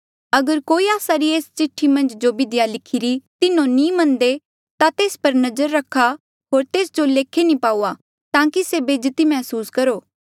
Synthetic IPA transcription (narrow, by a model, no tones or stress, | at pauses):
ɐɡəɾkoːiaːsaɾieːst͡ʃɪʈʰːimɐ̃nd͡ʒd͡ʒobɪd̪ɪjalɪkʰiɾit̪ɪnõnĩmɐ̃nd̪e | t̪at̪eːspɐɾnɐzəɾːɐkʰa | ɦoːɾt̪eːsd͡ʒoleːkʰːenĩpaːuːa | t̪ãːkisebeːd͡ʒt̪imɛːsuːskɐɾoː